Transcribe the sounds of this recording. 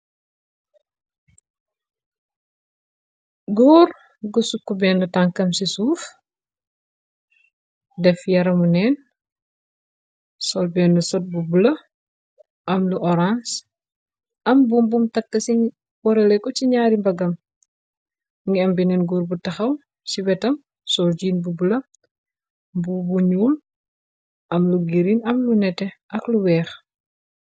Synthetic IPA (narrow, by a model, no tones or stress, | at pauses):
ɡɔːr | ɡusukːɔbɛːnətaŋkɐmsisuːf | dɛfjɐɾɐmunɛːn | sɔlbɛːndusɔt̚bubulɐ | ʔɐmluʔɔɾãns | ɐmbumbumtɐkːɐsi | wɔɾɛlɛkɔciɲaːɾimbɐɡɐm | ŋɡiɛmbinɛnɡuɾbutɐxɐw | siwɛtɐm | sɔld͡ʒiːnbubulɐ | bubuɲuːl | ʔɐmluɡiɾinɐmlunɛtɛɐkluwɛːx